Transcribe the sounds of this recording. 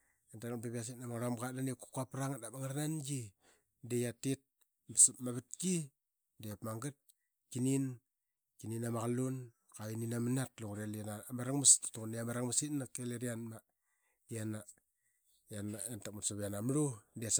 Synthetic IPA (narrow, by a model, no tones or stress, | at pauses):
entalak̚beβas̬itnamaŋɾamɡadaneku̥kuapɾaŋadamaŋaɾnanɡi | dejatit̚ | bsmaβat̚ki | dejapmaŋɡat̚ | kinin | kininamaɣalun | kaininamanatluŋɾalanamaɾaŋmasi̥tḁtukneamaɾaŋmasitnakeleɾianma | iana | janaentakmutsaβeanamɾudes